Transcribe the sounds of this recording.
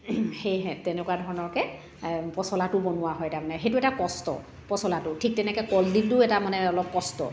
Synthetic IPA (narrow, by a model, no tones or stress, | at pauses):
xejɦɛtɛnɛkuwadʱɔɹɔnɔɹkɛ | pɔsɔlatʊbɔnʊwaɦɔjtamanɛxejtʊɛtakɔstɔ̰ | pɔsɔlatʊtʰik̚tɛnɛkɛjkɔldilʊɛtamanɛɔlɔp̚kɔstɔ̰